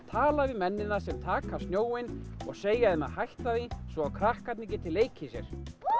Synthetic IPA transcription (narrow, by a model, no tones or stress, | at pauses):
t̪ʰaːlavɪmɛnːɪnasɛmt̪ʰaːkʰast̪njoːwɪnɔ̰ɣseːjaðɪmɛðhajht̪aðisvɔawkʰɾahkat̪nɪcɪt̪ʰɪlːeːjcʰɪsjɛ̰ɾ̥